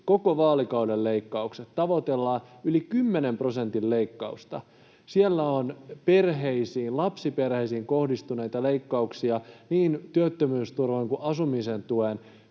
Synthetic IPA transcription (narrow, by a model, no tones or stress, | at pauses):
kokoʋɑːlikɑudelːeikːɑukset̪ːɑʋot̪elːɑːylikymːenempro̞sent̪illeikːɑust̪ɑ̰ | sielːæonpe̞rɦeisiːnlɑpsiperheisiːŋkohdist̪uneit̪ɑleikːɑuksiɑniːnt̪yøt̪ːømyːst̪urʋoŋkuʔɑsumisent̪uen